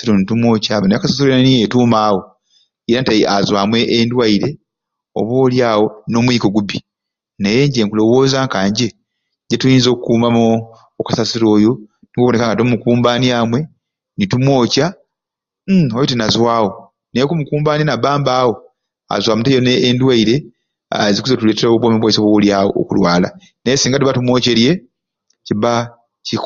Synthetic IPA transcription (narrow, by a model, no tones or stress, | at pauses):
siɾonitumwo̞ːcaβanajokasas̬iɾojanijetuːmaːwo̞ | iɾantaazwaːmwe̞ʔːndwaiɾe̞ | o̰βwo̞ːljaːwo̞no̞mwiːkoɡubi | neje̞ɲɟeːŋkulo̞wo̞ːzaŋkaːɲɟe̞ | ɟetujiːnzo̞ːkukuːmamo | okasasiɾo̞ːjo̞ | nikuβo̞ne̞kaːŋɡatomukuːmbaːniaːmwe̞ | nitumwo̞ːca | ojotinazwaːwo̞ | nejkumukuːmbaːninabaːmbaːwo̞ | a̰zwaːmutejoneːndwaiɾe̞ | azikuzetule̞ːteɾouβwomiβwaiseβwowoljaːwo̰ːkulwaːla̰ | nejesiːŋɡatuβatumwo̞ːce̞ɾje̞ | ciβa | cik